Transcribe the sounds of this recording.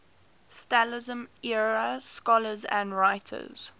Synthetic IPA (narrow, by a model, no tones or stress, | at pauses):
stalɪzə̃mɛɹəskɔləzə̰̃ndɹaɪtʰə̰z̥